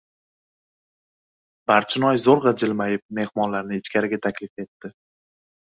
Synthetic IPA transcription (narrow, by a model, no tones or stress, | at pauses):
b̥aɾt͡ʃʰɪnɒjzoɾʁɑd͡ʒɪlmajɪp̚me̞hmɒnlaɾnɪɪt͡ʃkʲaɾɪɡʲat̪ʰakʲlɪfe̞t̪ːɪ